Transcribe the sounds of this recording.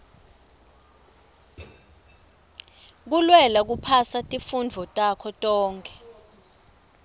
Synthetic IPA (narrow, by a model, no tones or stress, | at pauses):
k̬ulwɛlak̬upʰasatʼifund͡vʱɔtʼakʰɔtʼɔːŋkʰʼɛ̥